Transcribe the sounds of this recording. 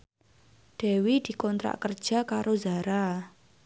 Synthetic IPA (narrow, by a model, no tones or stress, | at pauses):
ɖ̪̥ɛ̤wid̪̥i̤kɔnt̪ɾa̰ʔkərd̥ʒ̥a̤kaɾozaɾa